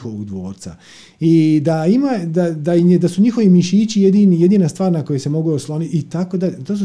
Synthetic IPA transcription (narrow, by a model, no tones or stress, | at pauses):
xoʋoɡd̪ʋo̞̰ːɾt̪sa̰ | id̪aimad̪ad̪ad̪asuɲixo̞ʋimiʃiːt͡ɕijed̪inijed̪iːnast̪ʋaːɾnako̞jese̞mo̞ɡuoslˠoniit̪akod̪aet̪oːs̬u